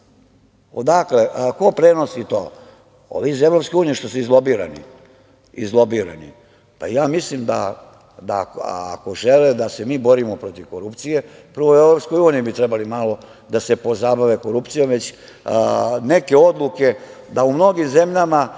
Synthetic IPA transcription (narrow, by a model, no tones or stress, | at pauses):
od̪akleʔko̞pɾeno̞sit̪o̰ː | o̰ʋiːzevɾo̞pskeuːnijeʃt̪osuizlˠobiːɾa̰nḭ | ḭzlˠo̞biɾa̰nḭ | pa̰jaːmislimd̪a | d̪a̰a̰ko̞ʒeled̪ase̞miːbo̞ɾimopɾo̞t̪iʋko̞ɾupt̪sije̞pr̩ʋoevɾo̞psko̞juːnijibit̪ɾɛbalimalo̞ | d̪asepo̞zabaʋeko̞ɾupt̪sijo̞mʋe̞t͡ɕ | ne̞ke̞o̞d̪lˠuke̞ | d̪aumno̞ɡimze̞mʎama